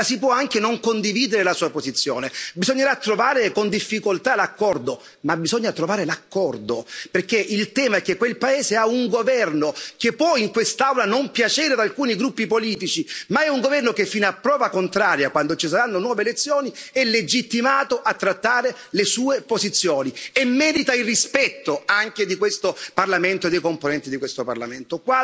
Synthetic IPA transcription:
asipwɔaŋkenoŋkond̪iviːd̪eɾelasuːapozit̪sːjo̰ːnebizoɲːeɾat̪ːɾovaːɾekond̪ifːikolt̪alakːɔrd̪o | mabizɔɲːat̪ɾovaːɾelakːɔrd̪operk̟ːeʔilt̪ɛːmaɛkːekːwelpaeːzeauŋɡovɛrnok̟epːwɔiŋkwest̪awlanompjat͡ʃɛːɾead̪alkuːniɡɾupːipoliːt̪it͡ʃimaɛuŋɡovɛrnokefːiːnapːɾɔːvakont̪ɾaːɾjakwand̪ot͡ʃis̬aɾanːonwɔːvelet̪sːjoːniɛlːed͡ʒit̪ːimaːt̪oʔat̪ːɾat̪ːaːɾe | lesuːepozit̪sːjoːniemːɛːd̪it̪ailrːispɛt̪ːoaŋk̟ed̪ikwest̪oparlament̪oed̪ːejkomponɛnt̪id̪ikwest̪opa̰rla̰ment̪okwa

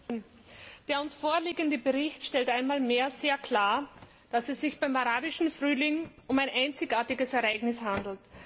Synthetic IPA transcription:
n | d̥eːɐʊnsfoːɐliːɡəndəbəʁɪçtʃtɛltʔaɪnmaːlmeːɐz̥eːɐkʰl̥aːɐ | d̥asɛsːɪçb̥aɪmaʁaːbɪʃn̩fʁyːlɪŋʊmæɪnʔaɪnt͡sɪçaːɐtɪɡəsɛɐaɪɡnɪshandl̩t

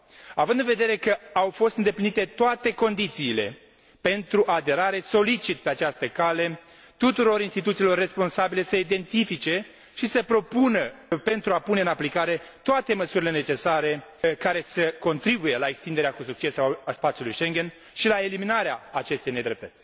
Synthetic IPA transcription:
avɨnd̪ɨnve̞d̪e̞ɾe̞kəawfo̞st̪ɨnd̪e̞plinit̪e̞t̪oat̪e̞ko̞nd̪it̪siːle̞̰ | pe̞nt̪ɾuʔad̪e̞ɾaɾe̞so̞lit͡ʃit̪̚pe̞at͡ʃast̪əkale̞ | t̪ut̪uɾo̞ɾinst̪it̪ut̪silo̞rːe̞spo̞nsabile̞səid̪e̞nt̪ifit͡ʃe̞ | ʃisəpɾo̞punəpe̞nt̪ɾuapune̞ɨnaplikaɾet̪oat̪e̞məsuɾile̞net͡ʃe̞saɾe̞kaɾe̞səko̞nt̪ɾibuje̞laekst̪ind̪eɾeakusuk̚t͡ʃe̞saspat̪sjulujʃe̞ŋɡʲe̞n | ʃilae̞liminaɾeaːt͡ʃe̞st̪e̞jne̞d̪ɾe̞p̚t̪ət̪sʲ

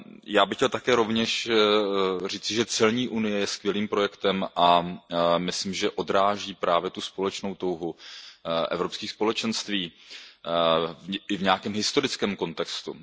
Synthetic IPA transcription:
jaːbɪxcɛlt̪akɛːɾo̞vɲɛʃ | r̝iːt͡sɪʒɛt͡sɛlɲiːʔunɪjɛjɛskvjɛliːmpɾo̞jɛkt̪ɛmʔa | mɪslimʒɛʔo̞dɾaːʒiːpɾaːvjɛt̪uspo̞lɛt͡ʃno̞wt̪o̞wɦu | ʔɛ̰vɾopskiːxspo̞lɛt͡ʃɛnst̪viː | ɪvɲɛakɛːmɦɪst̪o̞ɾɪt͡skɛːmko̞nt̪ɛkst̪ṵ

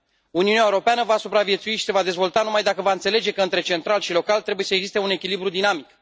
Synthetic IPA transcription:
uniuneaeuɾo̞peanəvasupɾavie̞t̪suiʃi̥se̞vad̪e̞zvo̞lt̪anumajd̪akəvaɨnt̪se̞le̞d͡ʒe̞kəɨnt̪ɾe̞t͡ʃe̞nt̪ɾalʃilo̞kalt̪ɾe̞buje̞səe̞ɡzist̪e̞une̞kʲilibɾud̪inamik

